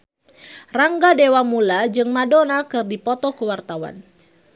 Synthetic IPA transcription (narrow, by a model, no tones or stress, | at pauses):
raŋɡadewamulad͡ʒɨŋmadonakɨrdipɔt̪ɔkuwart̪awa̰n